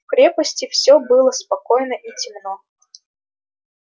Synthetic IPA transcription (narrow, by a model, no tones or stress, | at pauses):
kɾʲepəsʲtʲɪfsʲobɨlˠəspɐkojnəʔitʲɪmno